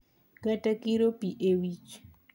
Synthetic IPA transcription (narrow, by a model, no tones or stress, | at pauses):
ɡɐtakiɾopiʔewit͡ʃ